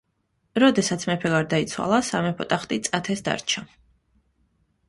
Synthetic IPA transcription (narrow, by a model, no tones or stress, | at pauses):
ɾɔd̪ɛsat̪sʰmɛpʰɛɡaɾd̪ait̪sʰwa̰lˠasamɛpʰɔt̪ʼaχt̪ʼit̪sʼat̪ʰɛsd̪a̰ɾt͡ʃʰa